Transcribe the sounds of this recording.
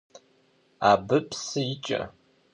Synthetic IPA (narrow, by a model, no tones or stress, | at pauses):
aːbɨpsɨjɪt͡ʃʼɐ̰